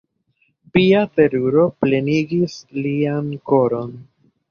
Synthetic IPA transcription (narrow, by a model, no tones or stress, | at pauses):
piate̞ɾuɾo̞ple̞niɡislianko̞ɾo̞n